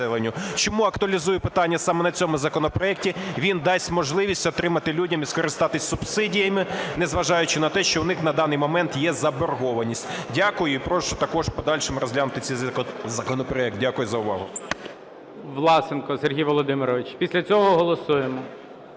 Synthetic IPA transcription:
ɛlˠenʲːʊt͡ʃɔmuɐkt̪ʊɐlʲizujɛpɪt̪ɑnʲːɐsɑmɛnɐt͡sʲɔmʊzɐkɔnɔpɾɔɛk̚tʲiʋʲind̪ɑsʲmɔʒlˠɪʋʲisʲtʲɔt̪ɾɪmɐt̪ɪlʲudʲɐmiskɔɾɪst̪ɑt̪ɪsʲsʊbsɪdʲijɐmɪnɛzʋɐʒɑjʊt͡ʃɪnɐt̪ɛʃt͡ʃɔwnɪxnɐd̪ɑnɪjmɔmɛnt̪jɛzɐbɔrɦɔʋɐnʲisʲtʲdʲakʊjʊipɾɔʃt͡ʃɔt̪ɐkɔʃpɔd̪ɑlʲʃemɪɾɔzʲlʲanʊt̪ɪt͡sʲɛzɐkɔnɔpɾɔɛk̚t̪̚dʲakʊjʊzɐʊʋɑɦʊ | ʋlˠɑsenkɔserɦʲijʋɔlˠɔd̪ɪmɪɾɔʋɪt͡ʃpʲisʲlʲɐt͡sʲɔɦɔɦɔlˠɔsujemɔ

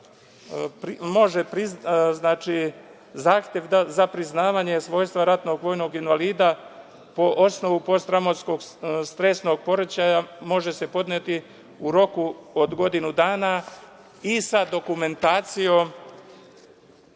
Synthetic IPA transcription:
pɾmo̞ʒepɾizznaːt͡ʃi | zaːxt̪je̞ʋ̪azapɾiznaːʋaɲe̞sʋo̞ːjst̪ʋaɾat̪no̞ɡʋo̞jno̞ɡinʋaliːd̪a | po̞ʔo̞sno̞ʋupo̞st̪ɾamosko̞ɡst̪ɾe̞sno̞ɡ̚po̞ɾet͡ɕajamo̞ʒe̞se̞po̞d̪net̪i | uɾo̞kuod̪ɡo̞d̪inud̪aːna | isad̪o̞kume̞nt̪aːt̪sijo̞m

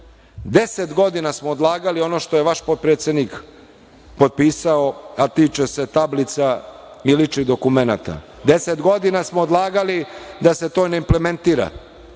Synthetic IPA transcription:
d̪e̞set̪ɡo̞d̪inasmoːd̪lˠaːɡalio̞no̞ʃt̪o̞jeʋaʃpot̪̚pɾeːt̪sjed̪nik | po̞t̪̚piːsaoat̪iːt͡ʃese̞t̪ablit̪sa | ilit͡ʂid̪o̞kumena̰t̪a̰ | d̪e̞set̪ɡo̞d̪inasmoːd̪lˠaːɡalid̪ase̞t̪o̞ːneimpleme̞nt̪iːɾa̰

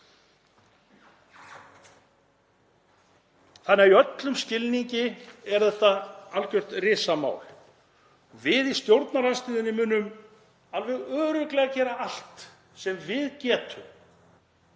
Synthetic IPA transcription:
θanːaiœt̪lʏmscɪlniɲcɪɛɾ̥θɛht̪aalkʏr̥t̪rɪːsama̰ːwl | ɔɣvɪðist̪jowɾt̪naɾanst̪iːðʏnɪmʏnːʏm | alvɛɣœːɾʏklɛɣacɛːɾaal̥t̪ | sɛmvɪðcɛːt̪ʰʏm

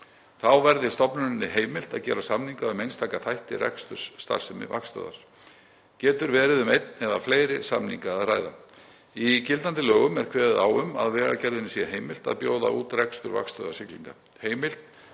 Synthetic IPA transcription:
θawvɛɾðɪst̪ɔpnʏnɪnːɪɦeːjmɪl̥t̪a̰ðcɛ̰ːɾasamniŋkaʏmejnst̪ʰaːkaθajht̪ɪ̰rɛ̰kst̪ʏ̥sːt̪a̰lsɪmɪ̰va̰kst̪œ̰ðaɾ̥ | cɛːt̪ʏɾvɛːɾɪðʏmejt̪nɛðafleːjɾɪsa̰mnḭŋkaaðraːjða | icɪlt̪ant̪ɪlœːɣʏmɛɾ̥kʰvɛːðɪðawʏmaðvɛːɣa̰cɛɾðɪnːɪsihɦejmɪl̥t̪a̰ðpjoːwða̰ʔuːt̪rɛkst̪ʏɾva̰kst̪œ̰ːðasɪklḭŋka | heːjmɪl̥t̪

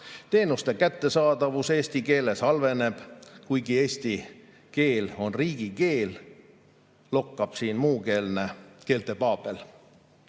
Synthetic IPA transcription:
t̪e̞ːnust̪e̞kæt̪ːe̞sɑːd̪ɑvuse̞ːsʲt̪ike̞ːle̞sɑlve̞ne̞b̥kujɡie̞ːsʲt̪i | ke̞ːlo̞nriːɡ̥ike̞ːl | lo̞kːɑb̥siːnmuːkeːlneke̞ːlt̪e̞pɑːb̥e̞l

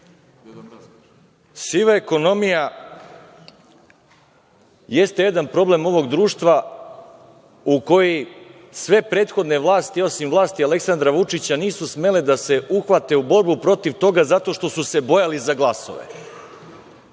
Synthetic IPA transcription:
siʋaeko̞no̞mija | jest̪e̞je̞d̪anpɾo̞ble̞mo̞ʋo̞ɡd̪ɾuːʂt̪ʋa | uko̞ji | sʋe̞pɾe̞ːt̪xo̞d̪ne̞ʋlˠaːst̪io̞simvlˠaːst̪iale̞ksand̪ɾaʋut͡ʂit͡ɕaniːsusme̞led̪ase̞ʔuxʋat̪e̞ubo̞ɾbupɾo̞t̪iʋt̪o̞ɡazat̪o̞ʃt̪o̞suse̞bo̞jalizaɡlˠaso̞̰ʋḛ

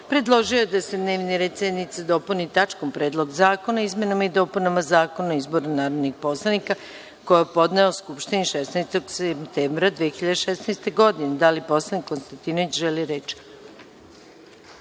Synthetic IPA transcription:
pɾe̞d̪lˠo̞ʒijojed̪ase̞d̪neːʋniɾet̪senit̪sad̪o̞punit̪at͡ʃkompɾeːd̪lˠo̞ɡzaːko̞naizme̞namaid̪o̞punamazaːko̞naizbo̞ɾanaːɾoʋnixpo̞slˠanika | kojapo̞d̪neoskupʃt̪iniʃesnɛjst̪oɡsept̪eːmbɾad̪ʋiexiʎad̪eʃesnɛjst̪eɡo̞d̪ined̪alipo̞slˠanikːonst̪ant̪inoʋit͡ɕʒeliɾet͡ʃi̥

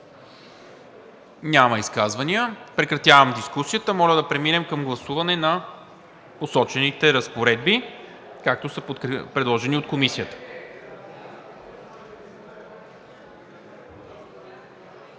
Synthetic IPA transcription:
nʲamɐiskazvɐniəpɾɛkɾɐt̪javəmd̪iskusiət̪əmɔləd̪ɐpɾɛminɛmkəmɡlˠɐsuvɐnɛnɐ | posɔt͡ʃɛnit̪ɛɾəspoɾɛd̪̚bi | kak̚t̪osəpopɾɛd̪lˠɔʒɛniot̪̚komisijət̪ə̥

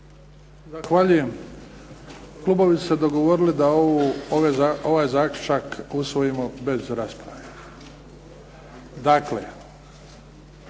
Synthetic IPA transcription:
zaxʋaʎuje̞m | klˠuːbo̞ʋisu̥sed̪o̞ɡoʋo̞ɾilid̪aoʋeoʋaːjzaːklʲut͡ʃakusʋo̞jimobe̞zɾaspɾa̰ʋe | d̪aklḛ

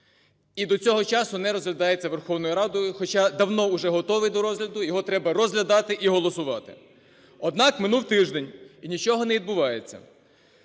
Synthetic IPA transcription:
id̪ɔt͡sʲɔɦɔt͡ʃɑsʊnɛɾɔzɦlʲɐd̪ɑjet͡sʲːɐʋerxɔwnʊjʊɾɑd̪ɔjʊxɔt͡ʃɑd̪ɐwnɔʊʒɛɦɔt̪ɔʋɪjd̪ɔɾɔzɦlʲɐd̪ʊjɔɦɔt̪ɾɛbɐrɔzɦlʲɐd̪ɑt̪ɪʔiɦɔlˠɔsʊʋɑt̪ɪ̰ | ɔd̪nɑkmɪnulˠt̪ɪʒd̪enʲinʲit͡ʃɔɦɔnɛʋʲid̪̚bʊʋɑjet͡sʲːɐ̰

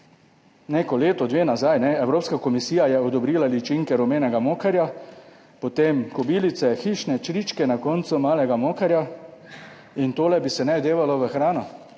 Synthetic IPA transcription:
neːkɔleːt̪ɔd̪ʋeːnazajnɛɛwɾoːpskakɔmisiːjajɛɔd̪ɔbɾiːlalit͡ʃiŋkɛɾɔmeːnɛɡamoːkaɾja | pɔt̪emkɔbiːlit̪sɛxiːʃnɛt͡ʃɾit͡ʃkɛnakɔːnt̪sumaːlɛɡamoːkaɾja | int̪oːlɛbisɛnɛd̪eːʋalɔʋəxɾaːnɔ

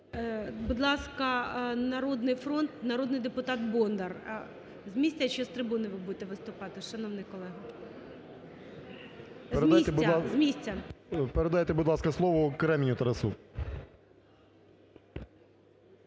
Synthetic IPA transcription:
bud̪lˠɑskɐnɐɾɔd̪nɪjfɾɔnt̪nɐɾɔd̪nɪjd̪epʊt̪ɑt̪bɔnd̪ɐr | zmʲisʲt͡sʲɐt͡ʃɔst̪ɾɪbunɪʋɪbud̪et̪ɛʋɪst̪ʊpɑt̪ɪʃɐnɔwnɪjkɔlˠɛɦɐ | peɾed̪ʲit̪ɛzmʲisʲt͡sʲɐpeɾed̪ajet̪ɛbud̪lˠɑskɐslˠɔʋɔkɾɛmʲnʲut̪ɐɾɐsu

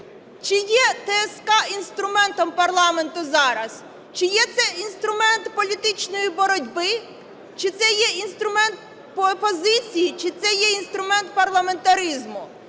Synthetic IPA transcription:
t͡ʃɪjɛt̪ɛːskɑʔinst̪ɾʊmɛnt̪ɔmpɐrlˠɑme̞nt̪ʊzɑɾɐs | t͡ʃɪjɛt̪sɛinst̪ɾʊmɛnt̪pɔlʲit̪ɪt͡ʃnɔjibɔɾɔdʲbɪ | t͡ʃɪt̪sɛjɛinst̪ɾʊmɛnt̪̚ | pːpɔzɪt͡sʲijit͡ʃɪt̪sɛjɛinst̪ɾʊmɛnt̪̚pɐrlˠɐme̞nt̪ɐɾizmʊ

